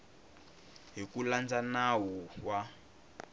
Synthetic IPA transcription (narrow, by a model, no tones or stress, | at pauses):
ɦikuland͡zanawɔwa